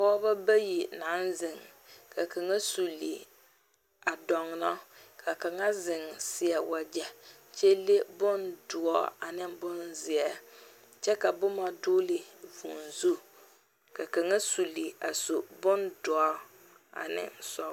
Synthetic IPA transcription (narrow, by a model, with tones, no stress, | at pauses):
kɔ˦ba˦ba˦ji˨na˨˦nzɪ˨ŋ | ka˨ka˨ŋa˦su˨li˨ | a˨dɔ˨ŋ˨nɔ˦kʰa˨ka˨ŋa˦zɪ˨ŋsɪ˨ɛ˨wa˨d͡ʒɛ˨ | t͡ʃe˦le˦bʊ˦ndʊ˨ɔ˦a˨nɪ˦mbʊ˦nzɪ˨ɛ˦ | t͡ʃɛ˦ka˨bʊ˦ma˦doː˦lɪ˨vṵ˨nzu˦ | ka˨ka˨ŋa˦su˨li˨a˨so˨bʊ˦ndʊ˨ɔ˦ | a̰˨nɪ̰˦sɔ˦